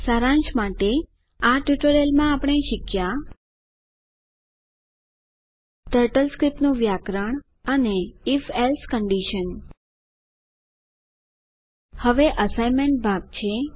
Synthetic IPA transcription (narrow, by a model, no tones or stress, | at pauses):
saɾãɲt͡ʃmaʈe | aʈjuʈəɾelmãapəɳ̃eʃɪkja | ʈəɾʈəlskɾipnũʋjakɾəɳ̃ | əneːfelskəɳɖiʃən | həʋeʔəsajmeɳʈ̚bʱaɡ̚t͡ʃʰe